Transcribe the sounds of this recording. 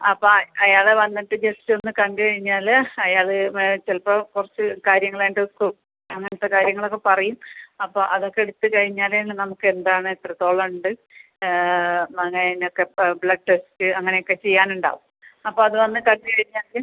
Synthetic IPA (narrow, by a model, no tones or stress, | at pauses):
ɐpːoːɐjaːɭeʋɐnːiʈːɨd͡ʑessɨo̞nːɨkɐɳɡɨkɐɻiɲːaːlɐjaːɭɨt͡ɕelpːɐkurɐt͡ɕːɨkaːɾjɐŋːɐɭaːjʈoku | ɐŋːɐnɐt̪ːekaːɾjɐŋːɐɭo̞kːe̞pɐrɐjumɐpːoːʔɐðo̞kːeɽut̪ːɨkɐɻiɲːaːlenːɨnɐmukːɨe̞nd̪aːɳɨet̪rɐt̪ːo̞ːɭɐuɳɖɨ | ɐŋːɐnenokːe̞bɭɐɖʈestɨɐŋːɐnejokːe̞t͡ɕe̞jːaːnuɳɖa̰ːʋumɐpːo̞ːɐðɨʋɐnːɨkɐɳɡɨkɐɻiɲːaːl